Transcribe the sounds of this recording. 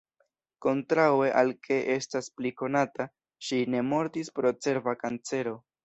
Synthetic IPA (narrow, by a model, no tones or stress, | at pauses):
ko̞ntɾawe̞ʔalkʰe̞ʔe̞staspliko̞nata | ʃine̞mo̞ɾtispɾo̞t͡se̞ɾvakant͡se̞ɾo̞